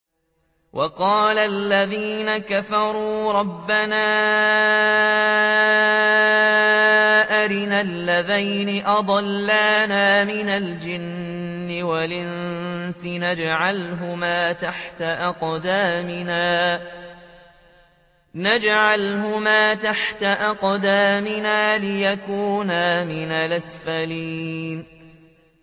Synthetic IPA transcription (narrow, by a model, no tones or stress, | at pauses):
wʔɑqɑːlalːaðiːnakafɑɾˤuːɾˤɑbːanaː | ʔaɾɪnalːaðajnɪʔɑd̪ˤɑlːaːnaːmɪnald͡ʒɪnː | ɪwalɪnsɪnad͡ʒʕalɦʊmaːt̪aħt̪aʔɑqd̪aːmɪnaː | nad͡ʒʕalhʊmaːt̪aħt̪aʔɑqd̪aːmɪnaːlɪjakuːnaːmɪnalʔasfaliːn